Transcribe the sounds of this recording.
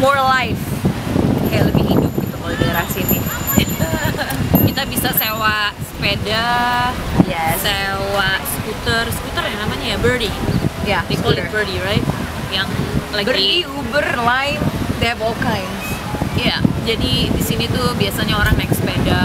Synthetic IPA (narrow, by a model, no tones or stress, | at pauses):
mɔrlajf | kajaləbihidup̚ɡit̪umolɛbaɾasini | kit̪abisasewaʔsə̥peda | jɛsewaʔsə̥kut̪ərsə̥kut̪ərjaŋnamaɲajabərdijadekolibədiɾaɪt̪̚ | jaŋlaɡbɾiiubərlaɪfd̪eɛvɔlkajns | jad͡ʒadidisinit̪ubiasaɲaoɾaŋnɛk̚sə̥peda